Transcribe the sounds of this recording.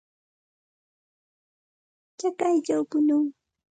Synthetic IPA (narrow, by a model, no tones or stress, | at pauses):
t͡ʃakajt͡ʃawpʊnʊŋ